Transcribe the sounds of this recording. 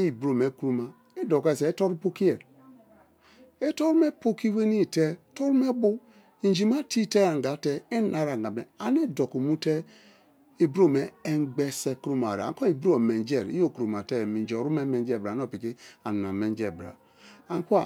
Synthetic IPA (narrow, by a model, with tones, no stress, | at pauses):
i˨bɾo˦˨me˨kɾu˦ma˨ | e˦do˨ke˦˨se˨˦to˦ɾu˦po˦ki˦e˨ | e˦to˦ɾu˦me˦po˦ki˦we˦ni˦˨te˦to˦ɾu˦me˦bu˦ | i˨n˦d͡ʒi˨ma˦ti˦te˦a˨ŋ˨ɡa˨˦tɛ˦e˦n˦a˨ɾa˨ŋɡa˨me˨a˨ne˦do˨ko˨mu˦te˦ | e˨bɾo˦˨me˨e˦ŋɡ͡be˦se˦kɾu˦ma˨ɾa̰˨a̰˨ŋ˦ko˦i˨bo˨me˨nd͡ʒe˨ɾḭ˦jo˦˨ku˨ɾu˨ma˨te˦˨mi˨n˦d͡ʒo˨ɾu˦me˦me˨nd͡ʒɛ˦˨bɾa˨˦n˦o˦˨pi˨ki˦a˨n˨a˨me˨nd͡ʒe˨bɾa̰˨ | a˨ŋ˦ku˦a˨